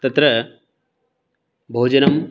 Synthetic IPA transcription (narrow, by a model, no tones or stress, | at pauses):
t̪ɐt̪ɾɐ | bʱoːd͡ʒɐnɐm